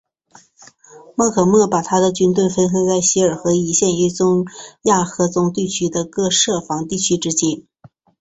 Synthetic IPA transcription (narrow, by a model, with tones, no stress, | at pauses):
mɤ˥˩kʰɤ˨˩mɤ˥˩pa˨˩t̪ʰa˥d̪ə˨t͡ɕy˥nt̪we˥˩ɪfə˥nxə˥t͡sa˥˩ɪɕi˧˥ə˞˨˩xɤ˧˥i˧˥ɕjɛ˥˧ni˥t͡sʊ˥ŋja˥˩xɤ˧˥t͡sʊ˧˥ŋt̪i˥˩t͡ɕʰy˥d̪ə˧kɤ˥˧ʂɤ˥˩fɑ˧˥ŋt̪i˥˩t͡ɕʰy˥ʈ͡ʂɻ̩˥t͡ɕi˥n